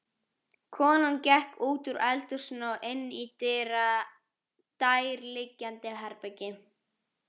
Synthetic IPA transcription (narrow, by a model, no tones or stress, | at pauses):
kʰɔːnancɛhkuːt̪ʏɾʔɛlt̪ʏr̥snɔʔɪnːit̪ɪːɾa | t̪ajɾlɪcːant̪ɪɦɛɾpɛcɪ